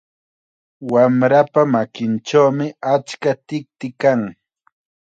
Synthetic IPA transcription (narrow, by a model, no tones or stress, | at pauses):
wamɾapamakɪnt͡ʃawmɪat͡ʃkat̪ɪk̚t̪ɪkaŋ